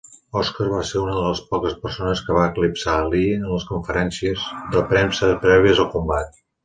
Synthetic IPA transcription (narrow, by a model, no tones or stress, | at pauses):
ɔskarβaseɾunəðələspɔkəspərsonəskəβaəklipsaliənləskuɱfəɾɛnsiəzðəpɾemsəpɾɛβiəzəlˠkumbat̪̚